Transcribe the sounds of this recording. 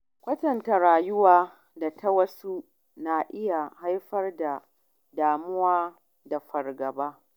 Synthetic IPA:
kʷɐ˦tɐ˨nta˨ɾaː˨jʊ˦waː˦˨ | da˨tʰɐ˦wɐ˦su˦ | naː˨ʔɪ˦ja˨ha˦jɸɐ˦rda˨ | daː˨mʊ˦waː˦ | da˨ɸɐ˨rɡɐ˨baː˦

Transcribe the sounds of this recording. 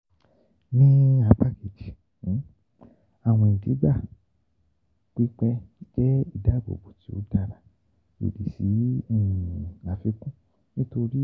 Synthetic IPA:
nĩ˦a˧˦pa˦ke˨d͡ʒi˨˦ | a˨w̃ɔ̃˧i˨di˨˦ɡ͡ba˦˨ | k͡pi˦k͡pɛ˧˦d͡ʒɛ˦i˦˨da˨˦˨bo̰˨bo˨ti˨˦o̰˦da˧ɾa˨ | ḭ˨di˨sĩ˨˦˨ | a˨˦fi˧kũ˦ | nĩ˦to˧ɾi˦

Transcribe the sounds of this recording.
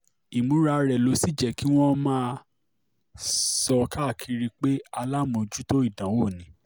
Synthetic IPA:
i˨mũ˨˦ɾa˧ɾɛ˨lo˨˦si˦˨d͡ʒɛ˨ki˦w̃ɔ̃˦mãː˦˧ | sɔ˧ka˦˨kʰi˧ɾi˧k͡pe˦a˧la˦mõ˧˨d͡ʒu˦to˦i˦˨dã˨˦wo˦˨nĩ˨˦

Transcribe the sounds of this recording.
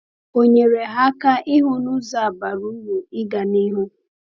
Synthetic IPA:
o˨ɲe˨ɾe˨ɦa˦ka˦ʔɪ˦ɦʊ˦nʊ˦za˨a˨ba˨ɾu˦wu˨ɪ˦ɡa˨ni˦ɦʊ˦

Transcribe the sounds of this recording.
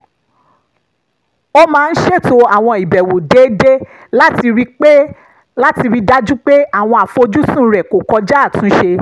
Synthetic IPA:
o˦mãː˦˧n̩˦ʃe˦˨to˧a˨w̃ɔ̃˧i˨bɛ˨wo˨de˨˦de˦ | la˦ti˧ɾi˦k͡pe˦ | la˦ti˧ɾi˦da˦d͡ʒũ˦k͡pe˦a˦˨w̃ɔ̃˧a˨fo˧d͡ʒu˦sũ˦˨˦ɾɛ˨ko˨kɔ˧d͡ʒa˦a˦˨tũ˨˦ʃe˧

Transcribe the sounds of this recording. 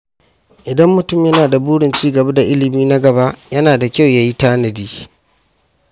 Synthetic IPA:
ʔɪ˨dɐ˦mːʊ˨tʊ˦˨mjɐ˦naː˨da˨buː˦ɽɪ˨nt͡ʃiː˦ɡɐ˨ba˦da˨ʔɪ˦lɪ˨miː˦na˦ɡɐ˨ba˦ʔjɐ˦naː˨da˨kʲa˦˨wjaː˦ji˦taː˦nɐ˨diː˦

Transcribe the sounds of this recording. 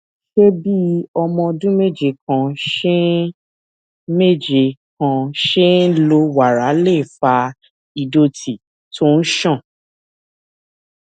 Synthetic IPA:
ʃe˦bi˦ɔ˧mɔ̃˧dũ˦me˦˨d͡ʒe˧˨kã˧ʃe˦ | me˦˨d͡ʒe˨kã˧ʃe˦lo˧˦wa˨ɾa˨˦le˦˨fa˧ | i˧do˧tʰi˨ | tʰo˦n̩˦ʃã˦˨

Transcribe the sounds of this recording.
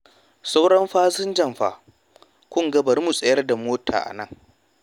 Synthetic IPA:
sʼa˦wɽɐ˦mɸaː˦zɪ˦nd͡ʒɐ˦˨mɸa̰ː˨ | kʷʊ˦ŋɡɐ˦bɐ˨rmu˨sʼɐ˨jɐ˦rda˨moː˦tʰa̰ː˨ʔa̰˨nɐ˦˨ŋ

